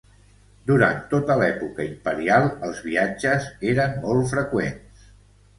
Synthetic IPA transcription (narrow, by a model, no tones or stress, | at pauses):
d̪uɾa̰nt̪ot̪əlɛpukəimpəɾialˠəlˠzβiad͡ʒəzeɾənmɔlˠt̪fɾəkwens